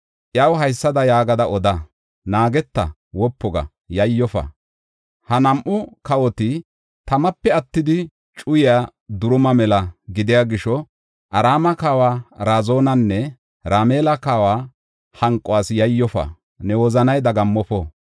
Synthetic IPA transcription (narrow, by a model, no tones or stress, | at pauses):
ʔjɐwɦɐjsːɐd̪ɐjaːɡɐd̪ɐʔɔd̪ɐ | naːɡɛt̪ːɐ̰ | wɔpːɔɡɐ̰ | jɐjːɔfɐ̰ | hɐnɐmʔʊkɐwɔt̪ɪ | t̪ɐmɐpːɛɐt̪ːɪd̪ɪ | t͡ʃʼʊjɪjaːd̪ʊɾʊmɐmɛlɐɡɪd̪ɪjaɡɪʃɔ | ʔɐɾaːmɐkaːwaːɾaːzo̞ːnɐnːɛ | ɾaːmeːlɐkaːwaː | hɐŋkʼːɔwaːsjɐjːɔfɐ̰ | nɛwɔzɐnɐjd̪ɐɡɐmːɔfɔ